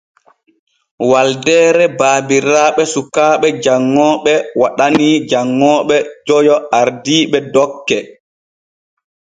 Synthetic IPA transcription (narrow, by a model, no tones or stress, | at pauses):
waldɛːɾɛbaːbiɾaːɓɛsukaːɓɛd͡ʒaŋːɔɓɛwaɗanid͡ʒaŋːɔːɓɛd͡ʒɔjɔaɾdiːɓɛdɔkːɛ